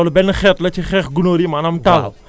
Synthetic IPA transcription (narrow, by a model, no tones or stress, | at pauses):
olubɛnxɛtlɐt͡ʃixɛxɡunoɾimanamtal